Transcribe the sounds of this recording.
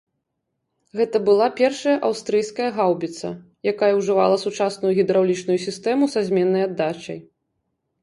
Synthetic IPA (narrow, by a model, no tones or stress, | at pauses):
ɣɛt̪ɐbɨlˠapʲɛrʂɐjɐʔawst̪ɾɨjskɐjɐɣawbʲit̪sɐ̰ | jakajɐwʐɨva̰lˠɐsut͡ʂasnujuɣʲid̪ɾawlʲit͡ʂnujusʲist̪ɛmusazʲmʲɛnːɐjad̪ːat͡ʃɐ̰j